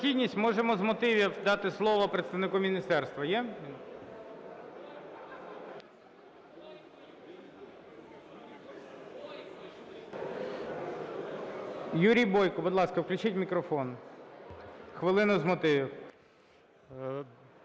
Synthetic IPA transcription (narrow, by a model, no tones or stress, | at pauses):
xʲid̪ʲnʲisʲtʲmɔʒemɔzmɔt̪ɪʋʲiwd̪ɑt̪ɪslˠɔʋɔpɾet̪st̪ɐʋnɪkumʲinʲist̪ɛrst̪ʋɐjɛ | juɾʲijbɔjkɔbʊd̪lˠɑskɐwklʲʉt͡ʃɪtʲmʲikɾɔfɔn | xʋɪlˠɪnʊzmɔt̪ɪʋʲiw